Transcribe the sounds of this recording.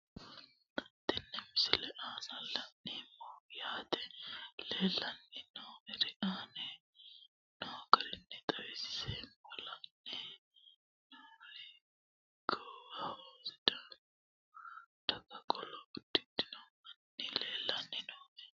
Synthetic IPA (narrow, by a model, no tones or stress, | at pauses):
ɐt̪ːɛnːɛmɪsɪlɛʔaːnɐlɐnːɪmːojaːt̪ɛleːlːɐnːɪnoːmɛɾɛʔaːnɛ | nokɐɾɪnːɛt̪ʼɐwɛsɪ̥seːmbɔlɐnːɛ | nolɛ | ɡowaoːsɪd̪ɐm | ɔ | t̪ɐkɐkʼɔlɔbɪd̪ːɪd̪ɪnoɐnːɪleːlːɐnːɪnoːmɛ